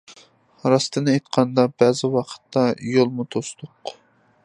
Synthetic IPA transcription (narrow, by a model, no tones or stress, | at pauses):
ɾɑst̪ɨnɨejt̪qʰɑnd̪ɑbɛzɪwɑqʰə̥t̪ːɑjolˠmut̪ʰost̪ʰʊq